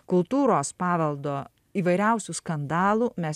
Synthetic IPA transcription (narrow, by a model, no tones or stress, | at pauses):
kʊlˠt̪uːɾoːspɑːʋɐlˠd̪oː | iːʋɐɪɾʲɛˑʊsʲuskɐnd̪ɑːlˠuːmʲɛs